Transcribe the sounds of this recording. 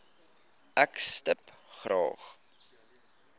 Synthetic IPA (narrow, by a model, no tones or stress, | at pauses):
ʔækstəp | χrɑ̰ːχ